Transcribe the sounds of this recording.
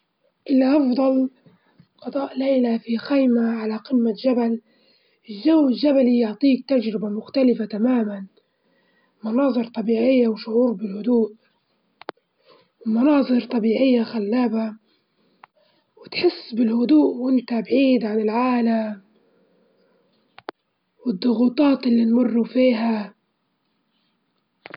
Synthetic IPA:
ʔɪlːaʔɑfd̪ˤɑl | qɑd̪ˤɑːʔlejlafixajmaʕalaqɪmːad͡ʒabal | ɪʒawmɪld͡ʒabalijʊʕt̪ˤiːk̚t̪ad͡ʒɾɪbamʊxt̪alɪfat̪amaːman | mɑnɑːðˤɨɾt̪ˤɑbiːʕɪjːawʃʊʕuːɾbɪlhʊd̪uːʔ | wmɑnɑːðˤɨɾt̪ˤɑbiːʕɪjːaxalːaːba | wɪt̪ħɪsːbɪlhʊd̪uːʔwʔɪnt̪abʕiːd̪ʕanɪlʕaːlam | wɪd̪ˤːʊɣuːt̪ˤɑːt̪ɪlːinmʊrːufiːɦa

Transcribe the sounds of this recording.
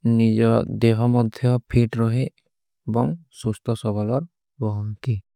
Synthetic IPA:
nid͡ʒɔd̪eɦɔmɔd̪ʱjɔpʰiʈɾɔɦe | bɔŋsust̪ʰɔsɔbʱalɔɾ | bɔɦɔnki

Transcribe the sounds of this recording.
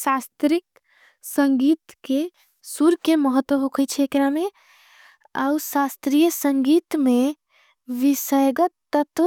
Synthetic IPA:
sast̪ɾik | səŋɡiːt̪ke | suɾkeməɦət̪ːwəɦokʰəjt͡ʃʰeːkɾamẽ | a̰usast̪ɾijəsə̃ŋɡiːt̪mẽ | ʋisəjɡət̪ːət̪

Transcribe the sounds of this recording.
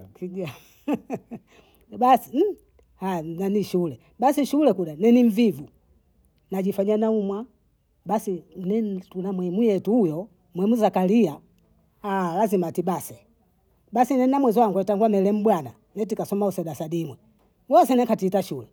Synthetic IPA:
kiɡa | basi | hananiʃulɛ | basiʃulɛkudanɛniɱvivu | nad͡ʒifaɲanaumwa | basinɛtunamwɛmujɛtuujɔ | mwɛmuzakalia | alazimatibasɛ | basinɛnamwɛzɔwaŋɡwɛtaŋɡwamɛlɛm̩bwana | nɛt̬ikasɔmausɛdasadimwɛ | ɡɔsɛnɛkatiːtaʃulɛ

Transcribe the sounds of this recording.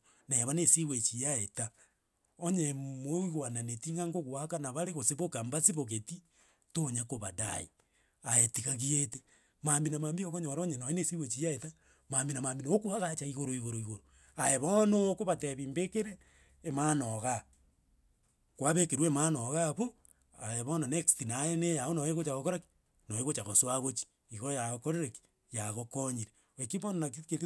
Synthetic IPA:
neβanesiwet͡ʃijaeta | oɲemoiɣwananetiŋɡaŋɡoɣwakanaβaɾeɣoseβokambasiβoɣeti | toɲakoβada̰ḭ | aetiɣaɣiete | mambinamaːmbiokoɲoɾoɲenoinesiwet͡ʃijaeta | mambinamaːmbinookuaɣat͡ʃaiɣoɾoiɣoɾoiɣoɾo | ajeβonokoβateβiːmbekeɾeː | maːnoɣa | kwaβekeɾwemanoɣaβo | aeβonanekstinajenejaonoeɣot͡ʃaɣokoɾaki̥ | noeɣot͡ʃaɣosuaɣot͡ʃi̥ | iɣoɾojaɣokoɾeɾeki̥ | jaɣokoɲiɾe | ekiβonanakiket

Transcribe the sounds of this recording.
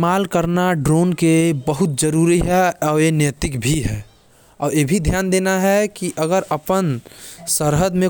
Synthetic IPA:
maːlkəɾnaɖɾoːnkebəɦʊt̪̚d͡ʒəɾuɾiɦɛɔːɾjenjət̪ɪkbʱiɦɛː | ɔːɾebʱid̪ʱjaːnd̪eːnaɦɛkiʔəɡəɾəpənsəɾɦəd̪mẽ

